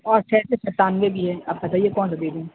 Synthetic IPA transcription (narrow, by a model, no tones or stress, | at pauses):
ɔːɾt͡ʃʰɛːsesɐɾt̪aːnʋebʱiɦɛɐb̚kɐt̪aːɦiekɔːnsab̪eːd͡ʒũː